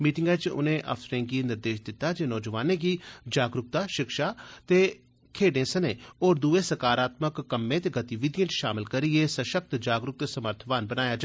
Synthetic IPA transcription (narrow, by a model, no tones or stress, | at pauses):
miːʈɪŋɡat͡ʃʊ̰nẽːʔə̰fʰsəɾẽːɡiːnɪɾd̪eːʃd̪ɪt̪ːaːd͡ʒeːnɔːd͡ʒəʋaːnẽːɡiːd͡ʒaːɡɾʊk̚t̪aːʃɪkʃaːt̪eː | kʰeːɖẽːsənẽːoːɾd̪uːeːsəɾkaːɾaːt̪məkːəmːẽːt̪eːɡət̪iʋɪd̪ɪjə̃t͡ʃʃaːmɪlkəɾɪeːsəʃək̚t̪d͡ʒaːɡɾʊk̚t̪eːsəməɾt̪ʰʋaːnbənaːjaːd͡ʒ